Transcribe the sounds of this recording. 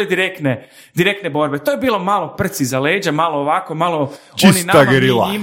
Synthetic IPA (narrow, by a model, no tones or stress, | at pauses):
ed̪iɾekt̪ne | d̪iɾek̚t̪nebo̞ɾbe̞t̪ojebiːlo̞malˠo̞pr̩t̪sizaleːd͡ʑemaːloːʋakomalˠooisninaamɡeɾila̰im